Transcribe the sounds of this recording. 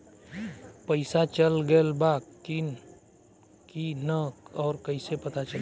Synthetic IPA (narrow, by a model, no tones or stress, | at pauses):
pəɪsat͡ʃəlɡəlbaːkkin | kinəkɔːɾkəisepət̪at͡ʃəl